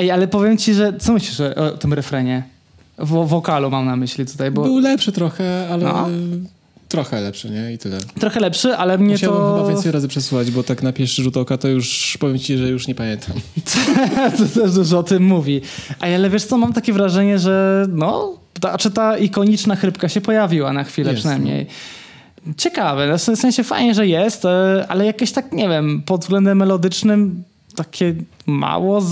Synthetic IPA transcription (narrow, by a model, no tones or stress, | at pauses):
ɛjalɛpɔvʲjɛmt͡ɕiʐɛt̪sɔmɘɕlʲiʂʔɔ̰t̪ɘmɾɛfɾɛɲɛ | vɔvɔkalumamnamɘɕlʲit̪u̥t̪ajbɔbɨwlɛpʂɘt̪ɾɔxɛalɛ̰ | t̪ɾɔxɛlɛpʂɘɲɛit̪ɘlɛ̰t̪ɾɔxɛlɛpʂɘʔalɛmɲɛaw̪ɔɛmaaj̪vɾazɨpʂɛsuxad͡ʑbɔt̪aknapʲjɛʂʐut̪ɔwkat̪ɔjuʂpɔvjɛmt͡ɕiʐɛjuʂɲɛpamʲjɛnt̪ʰamt̪t̪ɔt̪ɛʂd̪uʐɔɔt̪ɘmːuvʲiʔaalɛvjeʂt̪sɔmamt̪akʲɛvɾaʐɛɲɛʐɛnɔ | t̪at͡ʂɛt̪aʔikɔɲit͡ʂnaxɾɘpkaɕɛpɔjavʲiwanaxfʲilɛppʂɛnajmɲḛj | t͡ɕɛkavɛnɔfsɛfsɛ̃ɲ̃ɕɛfa̰jɲɛʐɛjɛst̪a̰lɛjakɔɕt̪akɲɛvʲjɛmpɔd̪zvɡlɛnd̪ɛmːɛlɔd̪ɘt͡ʂnɘm | t̪akʲɛma̰wɔ